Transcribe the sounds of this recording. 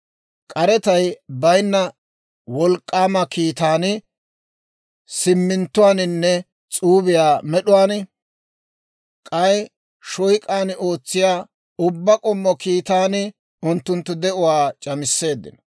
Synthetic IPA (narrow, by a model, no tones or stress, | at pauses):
kʼɐɾɛt̪ɐjbɐjnːɐ | wɔlkʼːaːmɐkiːt̪aːnɪ | sɪmːɪnt̪ːʊwaːnɪnːɛ | t͡sʼuːbɪjaːmɛɗʊwaːnɪ | kʼɐj | ʃɔjkʼaːno̞ːt͡sːɪjaː | ʊbːɐkʼɔmːɔkiːt̪aːnɪ | ʊnt̪ːʊnt̪ːʊd̪ɛʔʊwaːt͡ʃʼɐmɪsːe̞ːd̪ːɪ̰n